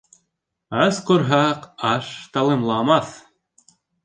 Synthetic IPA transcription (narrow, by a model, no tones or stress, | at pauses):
ɑsqŏɾɦɑqɑʃt̪ɑlˠɤ̆mlˠɑmɑθ